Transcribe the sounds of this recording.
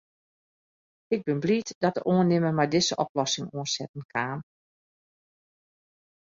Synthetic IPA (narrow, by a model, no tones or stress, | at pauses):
ɪɡ̚bɪnblitdɔtəʔoənːɪməmajdɪsəʔɔplɔsɪŋoənsɛtən̩kʰaːn